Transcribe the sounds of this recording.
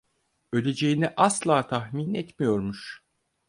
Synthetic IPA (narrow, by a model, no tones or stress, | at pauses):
ø̞lʲe̞d͡ʒejiniʔaslˠaːt̪ʰaxminɛt̪mijo̞ɾmuʃ